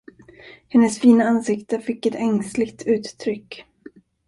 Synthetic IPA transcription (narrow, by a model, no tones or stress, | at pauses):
hɛnːəsfiːnaansɪkt̪əfɪkːɛt̪ʰɛŋslɪɡt̪ʰʉ̟ːt̪ːʰɾʏkː